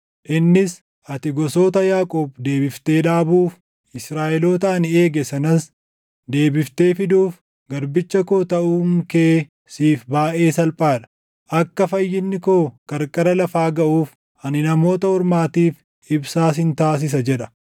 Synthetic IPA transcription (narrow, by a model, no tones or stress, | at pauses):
ʔɪnːɪs | ʔɐt̪ɪɡɔso̞ːt̪ɐjaːkʼoːbd̪e̞ːbɪft̪e̞ːᶑaːbuːf | ɪsɾaːʔɛlo̞ːt̪ɐɐnɪe̞ːɡɛsɐnɐs | d̪e̞ːbɪft̪e̞ːfɪd̪uːf | ɡɐɾbɪt͡ʃːɐkoːt̪ɐʔuːŋkeː | siːfbaːʔe̞ːsɐlpʼaːᶑɐ̥ | ʔɐkːɐfɐjːɪnːɪkoːkʼɐɾkʼɐɾɐlɐfaːɡɐʔuːf | ʔɐnɪnɐmo̞ːt̪ɐhɔɾmaːt̪iːf | ɪbsaːsɪnt̪aːs̬ɪs̬ɐd͡ʒɛᶑɐ̥